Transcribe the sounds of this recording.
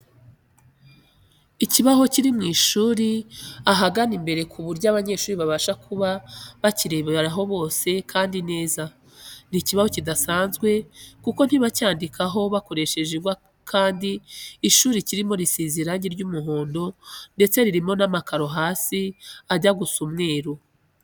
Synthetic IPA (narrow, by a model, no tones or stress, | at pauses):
iciβaho̞ciɾimŋiːʃuːɾiaɦaɡanimbe̞ɾe̞kʰuβuɾɟaβaɲe̞ːʃuːɾiβaβaʃakʰuβaβaciɾeβeɾaɦo̞βo̞ːse̞kʰaːndine̞ːza | niciβaho̞cidasaːnzɡwe̞kuko̞n̥hiβacaːndikʰaɦo̞βako̞ɾe̞ʃe̞ʒeɡwa | kʰaːndiːʃuːɾiciɾimo̞ɾisiːziɾaɲɟiɾɟuːmuɦo̞ːndo̞nde̞t͡se̞ɾiɾimo̞namakaɾo̞ɦaːsiaɟaɡusumŋe̞ːɾo